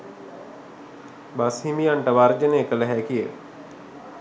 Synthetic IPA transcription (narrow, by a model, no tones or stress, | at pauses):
bashimijaɳʈəʋaɾd͡ʒəneːkəlɛɦɛːkijə